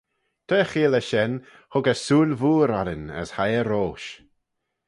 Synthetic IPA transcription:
t̪ʰəːxiːləʃɛn | hʊɡəsuːlvuːɾaɾənə̰shajəɾoːʃ

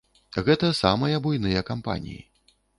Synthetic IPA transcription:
ɣɛt̪ɐsamɐjɐbujnɨjɐkampa̰nʲḭjḭ

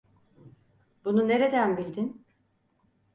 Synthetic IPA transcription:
bunune̞ɾe̞d̪ænbilʲd̪in

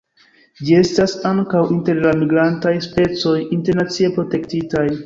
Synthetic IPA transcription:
d͡ʒie̞stasaŋkawinte̞ɾlamiɡɾantajspe̞t͡so̞jinte̞ɾnat͡sie̞pɾo̞te̞ktitaj

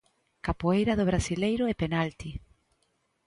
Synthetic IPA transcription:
kapoejɾaðʊβ̞ɾasilejɾʊepenalt̪i

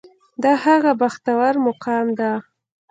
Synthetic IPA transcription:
d̪ɑhaɣabaxt̪awaɾmʊqɑmd̪a

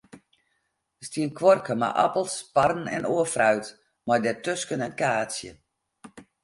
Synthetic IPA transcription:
əstiənkʋɔrkəma̰ʔa̰pəlˠsparən̩ɛ̰noəfrœɥt | mɔjdɛtøskənɛnkaːsjə̰

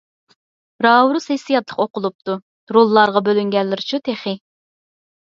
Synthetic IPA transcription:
ɾɑːwɾusesijɑt̪lˠə̥qoqʊlˠup̚t̪u | ɾulˠːɑɾʁɑbølyŋɡʲɛlːɪɾɪt͡ʃʰut̪ʰeχɪ

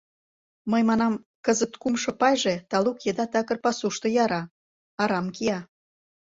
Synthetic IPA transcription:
məjmɑnɑm | kəzət̪kumʃŏpɑjʒet̪ɑlukjed̪ɑt̪ɑkə̆rpɑsuʃt̪ŏjɑɾɑ | ɑɾɑmkiɑ

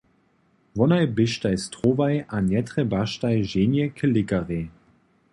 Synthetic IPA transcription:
vɔnaɪbɪʃtaɪstʁ̥oːvaɪʔanjɛtʁəbaʃtaɪʒeːnjəkʰəlɪkaʁe

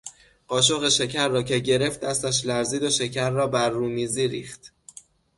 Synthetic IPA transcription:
ɢɒːʃ̬oɣeʃe̞cʰæɾːɒːcʰe̞ɟe̞ɾe̞ft̪̚ːæst̪æʃ̬læɾziːd̪oʃe̞cʰæɾːɒːbæɾːuːmiːziːɾḭːxt̪

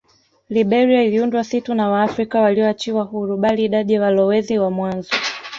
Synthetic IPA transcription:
liɓɛɾiailiundwasitunawaːfɾikawaliɔat͡ʃiwaɦuɾuɓaliːɗaɗiawalɔwɛziwamwanzɔ

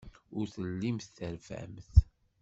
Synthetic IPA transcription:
ʊɾθəlːimθθəɾvæ̰mθ

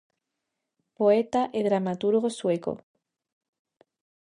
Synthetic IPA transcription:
poet̪aʔeðɾamat̪uɾɣosweko̰

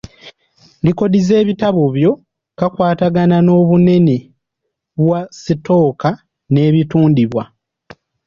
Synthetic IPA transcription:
ndiko̞dize̞ːβitaβoβjo̞ | kakwaːtaɡanano̞ːβune̞ni | βwasito̞ːka | ne̞ːβituːndiβwa

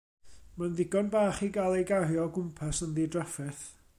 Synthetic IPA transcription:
manðɪɡɔnbaːχiɡalˠejɡaɦjɔɡʊmpʰasənðiːdrafɛθ

